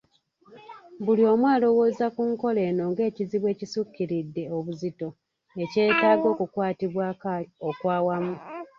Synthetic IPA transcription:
bulio̞mwaːlo̞wo̞ːzakuŋko̞le̞ːno̞ːŋɡe̞ːciziβwe̞ːcisukːiɾidːe̞oβuzito̞ | e̞ce̞ːtaːɡo̞ːkukwaːtiβwakao̞kwaːwamu

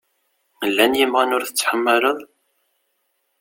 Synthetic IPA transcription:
lːænjəmʁanʊɾθət͡sːħəmːələðˤ

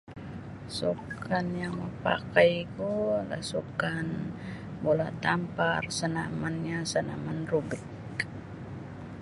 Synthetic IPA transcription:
sukanjaŋməpa̰kajkula̰sukan | bolat̪amparsənamanɲasəna̰manrubɪk

